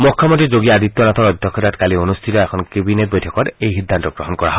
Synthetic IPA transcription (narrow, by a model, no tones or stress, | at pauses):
mukʰːɔmɔntid͡ʒoɡiaad̪it̪ːɔnat̪ʰɔɹɔd̪ʱjɔkʰːɔtatkalionust̪ʰitɔɛkʰɔnkebinet̚bɔjtʰɔkɔtejɦid̪ʱːant̪ɔɡɹɔɦɔnkɔɹa̰ɦɔ